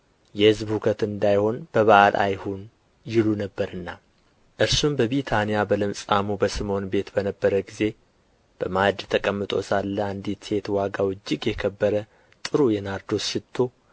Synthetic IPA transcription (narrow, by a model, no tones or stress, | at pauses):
jɛhɨzbhukʰət̪ɨnd̪ajho̞nb̥əβaʔalʔa̰jhun | jɪlunəbːəɾɨnːa | ʔɨɾsumbəβit̪ʰanijabəlɨmsʼamubəsɨmo̞nbe̞t̪bənəbːəɾəɡize̞ | b̥əmad̪t̪ʰəkʼəmːɨt̪ʼo̞̰salːəand̪it̪se̞t̪waɡawɨd͡ʒːɪɡjɛkʰəbːəɾə | t̪ʼɨɾujɛnaɾd̪o̞sʃɪt̪ʰːo̞